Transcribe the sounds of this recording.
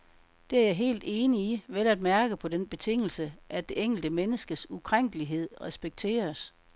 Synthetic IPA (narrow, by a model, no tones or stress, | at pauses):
d̥e̝æɐjɑ̈ɪɦe̝̰ːld̥e̝ːniiʋelæd̥mæɐɡ̥əpʰɒ̽d̥enb̥e̝t͡sʰe̝ŋ̰l̩səʔæd̥e̝eŋ̰ɡ̥l̩d̥əmenəsɡ̥əsukʰʁaŋ̰ɡ̥əliɦe̝ð̞̰ˠʁɛsb̥eɡ̥̚t͡sʰe̝̰ːɐs